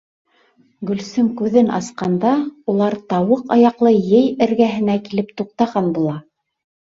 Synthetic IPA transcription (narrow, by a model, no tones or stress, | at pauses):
ɡɵ̆lsɵŋkʉðɘnʔɑ̰sqɑnd̪ɑulˠɑɾt̪ɑwɤqɑjɑqlˠɤjɘjɘ̆ɾɡæɦɘ̆nækilɘp̚t̪uq̚t̪ɑʁɑnbulˠɑ